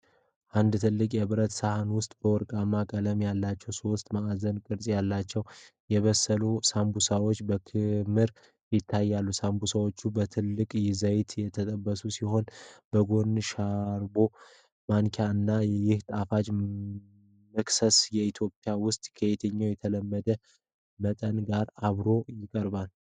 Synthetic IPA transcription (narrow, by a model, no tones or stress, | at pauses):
ʔand̪t̪ʰɨlːɨkʼjɛβɨɾət̪sahanwʊst̪ʼbəwɔɾkʼamːakʼələmjalːat͡ʃːɛwsost̪ʼmaazənkʼɨɾsʼijalːat͡ʃːɛw | jɛβəsːəlusambusawo̞t͡ʃːbəkʰɨmɨɾ | jɪt̪ʰːajːalːusambusawo̞t͡ʃːubət̪ʰɨlːɨkʼjɪzəjt̪ʰjɛt̪ʰət̪ʼəbːəsusiho̞nb̥əɡo̞nʃaɾbo̞ | maŋkʰaɨnːajjɪht̪ʼafad͡ʒ | mɨksəsjɛit̪ʰjo̞pʼjawʊst̪ʼkʰəet̪ʰəɲːojɛt̪ʰələmːəd̪ə | mət̪ʼənɡaɾaβɾo̞jɪkʼəɾbal